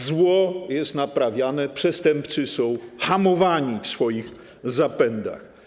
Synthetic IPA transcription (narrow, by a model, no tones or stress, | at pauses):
zwɔjɛst̪napɾavʲjanɛpʂɛst̪ɛmpt̪sɨsɔ̃w̃xamɔvaɲifsfɔjix | zapɛnd̪a̰x